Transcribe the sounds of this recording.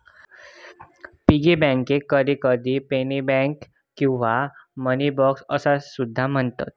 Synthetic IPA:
piɡebɛ̃ŋkekːəɾjikəɾd̪ipenibɛ̃ŋkː | ĩw̃ʋamənibɔksəsasud̪ʱːam̤əɳt̪a̰t̪̚

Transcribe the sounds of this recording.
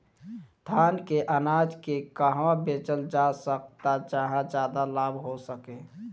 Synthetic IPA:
t̪ʰaːnkeʔənaːd͡ʒkekaɦʋãbeːt͡ʃəld͡ʒasəkt̪ad͡ʒəɦãd͡ʒjaːd̪alaːbʱɦosəkeː

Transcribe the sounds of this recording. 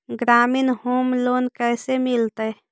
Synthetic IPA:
ɡɾaːminɦoːmloːnkɛsemilt̪ə

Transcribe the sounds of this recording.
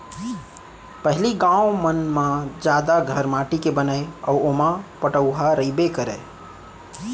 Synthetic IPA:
pəɦliɡãʊmənmãd͡ʒad̪aɡʱəɾmaʈikebənəjɔwomãpəʈəʊɦaɾəibekəɾɛ

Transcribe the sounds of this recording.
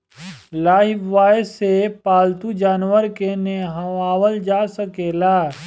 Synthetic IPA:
laːɦɪʋaːsepaːlt̪ud͡ʒaːnwəɾkeneɦɐaːwəld͡ʒaːsəkeːlaː

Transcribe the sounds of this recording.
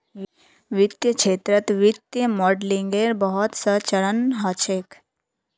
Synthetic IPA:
ʋɪt̪jət͡ʃʰeːt̪ɾət̪ʋɪt̪jəmɔːɖlĩŋɡeɾbəɦɔt̪sət͡ʃɐɭənɦat͡ʃʰek

